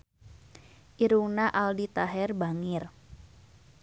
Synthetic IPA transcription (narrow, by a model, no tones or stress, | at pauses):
ʔiɾuŋnaʔaldit̪aɦɛrbaŋɪr